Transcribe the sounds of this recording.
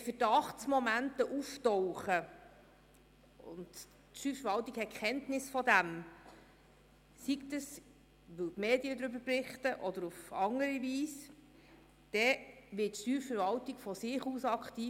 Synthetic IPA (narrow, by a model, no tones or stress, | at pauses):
fəd̥ɑχsmɔmæntəʔuftɔwχə | ʊ̰nd | tʃtyːfəɾvɑltikhɛtkχɛntnɪsfɔd̪æm | siktəs | ʋɵwtmeːdiəd̪ɾʏbəɾprɪχtəʔɔd̪əɾufɑŋəɾiʋiːs | d̥ɛʋɪtːʃtyːfəɾvɑltiɡfɔsɪχuːsɑkχtiː